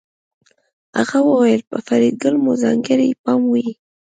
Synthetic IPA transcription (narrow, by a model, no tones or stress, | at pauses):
a̰ɣawəwajəlpəfaɾiɡəlmuzɑŋɡɪɾipɑmwi